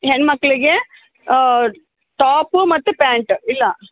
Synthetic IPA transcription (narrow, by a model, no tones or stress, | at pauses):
ɦenmɐkːɐɭiɡe | ʈaːpumɐt̪ːupaːɳʈilːɐ